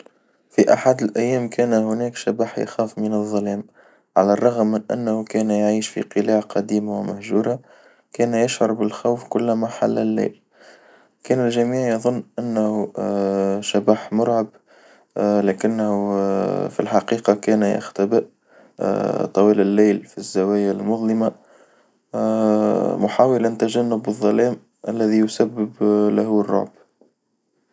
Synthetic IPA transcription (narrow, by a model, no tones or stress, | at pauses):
fiʔaħad̪ɪlʔæjːæːmkʰæːnhʊnɛːkʃabaːħja̰xaːfmənɑðˤːɑlɛːm | ʕalærˤːɑɣmːɪnʔæ̰nːhukæːnjʕiːʃfḭqɨlaːʕqʰɑd̪iːmawɪmæhʒuːɾa | kæːnjɪʃʕʊɾˤbɪlxawfkʊlːmaħalːɪlːæ̰ːb | kæːnælʒæmiːʕjɑðˤʊnːʔænːhu | ʃabaːħmʊɾʕab | læːkɪnːhufḭlħɑqiːqɑkæːnjɪ̰xt̪abɪʔ | t̪ˤɑwiːlɪlːiːlfizːawæːjalmʊðˤlɪma | mʊħaːwɪlant̪aʒanːʊbːɨðˤːɑlɛːm | ʔælːæðijʊsabːɪblahurˤːɑ̰ʕb